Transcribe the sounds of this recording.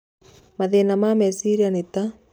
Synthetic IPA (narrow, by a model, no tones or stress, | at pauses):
maðenamamɛsiɾianit̪a